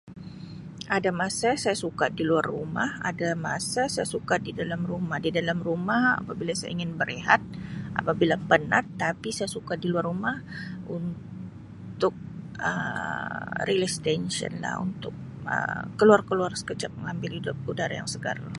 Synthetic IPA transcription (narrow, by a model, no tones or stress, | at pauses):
adamasasajasukadiluarːuma̰ha̰damasasajasukadidalamrumahdidalamrumaha̰pabilasaja̰iŋɪnbəɾeɦat̪̚ʔa̰pabilapənat̪ːapisajasukadiluarumahun | t̪ʊk̚ə̰ | rilɛst̪ɛnʃiə̰nla̰hṵnt̪ʊk̚ | ə̰ːəluarkəluarsə̥kət͡ʃap̚məŋambɪlhidʊp̚udaɾa̰ja̰ŋsəɡa̰rla